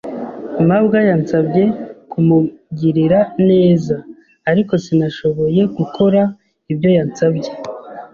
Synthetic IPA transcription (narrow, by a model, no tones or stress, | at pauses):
mabɡajant͡sabɟe̞kumuɡiɾiɾane̞ːzaː | ɾiko̞sinaʃo̞βo̞je̞ɡukʰo̞ɾa | ibjo̞jant͡sabɟe̞